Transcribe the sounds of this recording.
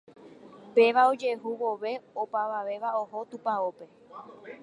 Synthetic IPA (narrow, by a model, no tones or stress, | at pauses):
pe̞ʋao̞d͡ʒe̞ɦuʋo̞ʋe̞opaʋaʋe̞ʋaoɦo̞t̪upaope̞